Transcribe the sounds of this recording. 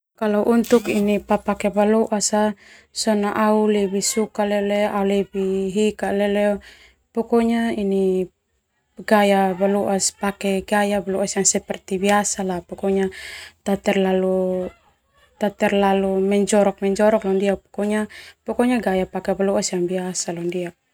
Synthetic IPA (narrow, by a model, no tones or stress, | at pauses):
kalauʔunt̪ukinipapakɛbaluʔasasɔnaʔaulɛbisukalɛɔlɛʔaulɛbiɦikaʔlɛlɛɔ | pɔkɔɲaini | ɡajabaluʔaspakɛɡajabaluasjaŋsɛpɛrt̪ibiasalapɔkɔɲat̪at̪ɛrlalu | t̪at̪ɛrlalumɛɲd͡ʒɔɾɔk̚mɛɲd͡ʒɔɾɔklandiak̚pɔ̥kɔɲapɔkɔɲaɡajapakɛbaluasjaŋbiasalandiak̚